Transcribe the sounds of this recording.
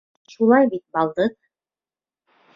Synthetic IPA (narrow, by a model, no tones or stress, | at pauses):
ʃulˠɑjbit̪̚bɑlˠd̪ɤq̚